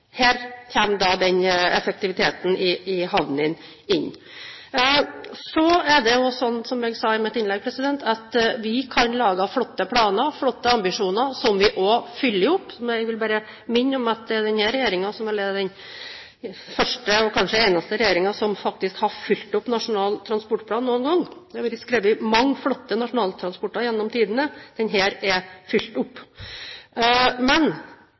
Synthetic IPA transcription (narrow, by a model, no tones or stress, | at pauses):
heːɾçɛːmd̪ɑd̪ɛnɛfək̚t̪ɪʋɪt̪ʰeːt̪n̩ɪɪɦɑʋnɪn | ɪnː | sɔæɖɛjʊsɔnːsɔmɛɡsɑɪmɛt̪ɪnlɛɡ̚pʰɾɛsɪd̪ɛnt̪ʰɑt̪ʋɪkʰɑnlɑːɡɑflɔt̪ːəpʰlɑːnəɾfɽɔt̪ːəɑmbɪʂuːnəɾsɔmʋɪʔɔfʏlːəɾʊpːɔɛɡʋɪlbæːɾə | mɪnːɔmɑt̪̚d̪ɛɛɖ̪ɛnhæːɾɛjeːɾɪŋɑsɔmɛlːəd̪ɛn | fœʂʈəɔkʰɑnʂəeɪnɑst̪əɾɛjeːɾɪŋɑsɔmfɑk̚t̪ɪskhɑɾfʏlt̪ʊpːnɑʂʊnɑːlt̪ʰɾɑnspɔʈːpʰlɑːnːuːənɡɔŋːd̪ɛʋɪskɾeːʋɪmɑŋːfɽɔt̪ːənɑʂʊnɑːlt̪ʰɾɑnspɔʈːɑjɛnːɔmt̪ʰiːd̪ənəd̪̥ɛnɦæːɾɛfʏlt̪ʊpː | mɛn